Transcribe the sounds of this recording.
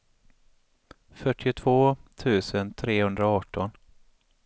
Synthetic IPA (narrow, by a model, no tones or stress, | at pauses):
fœʈːɪʊt̪ʰv̥oːt̪ʰʉ̟ːsənt̪ʰɾeːhɵnd̪ɾaɑːʈːɔn